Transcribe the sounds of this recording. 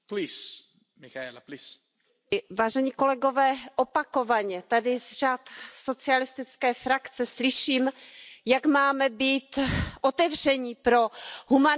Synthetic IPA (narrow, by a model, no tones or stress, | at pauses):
plis | mixalplis | vaːʒɛɲiːko̞lɛɡo̞vɛːʔopako̞vaɲɛt̪adɪzraːt̪so̞t͡sɪalɪst̪ɪt͡skɛːfɾakt͡sɛslɪʃiːmjakmaːmɛbiːt̪ʔot̪ɛvr̝ɛɲiːpɾo̞ɦuma